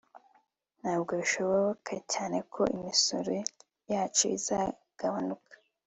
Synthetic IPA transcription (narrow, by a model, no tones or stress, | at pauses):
n̥haːb̚ɡo̞βiʃo̞βoβo̞kʰacaːne̞kʰo̞̰ʔimiso̰ɾe̞ | jaːt͡ʃo̰iza | ɡ̥aβanukʰḁ